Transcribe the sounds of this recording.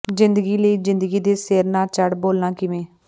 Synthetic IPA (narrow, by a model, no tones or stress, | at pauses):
zɪnd̪əɡiːləiːzɪ̃nd̪əɡiːd̪eːseːɾnaːt͡ʃəɽboːlnãːkɪʋẽː